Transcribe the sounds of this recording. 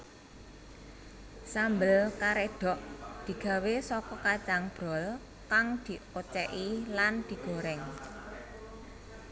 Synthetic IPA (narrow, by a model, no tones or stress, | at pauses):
sambəlkaɾeɖ̪̥ɔ̤ʔd̪̥i̤ɡ̥ä̤wesɔkɔkat͡ʃaŋb̥ɾɔl | kaŋd̪̥i̤ot͡ʃɛʔiland̪̥i̤ɡ̥o̤ɾɛŋ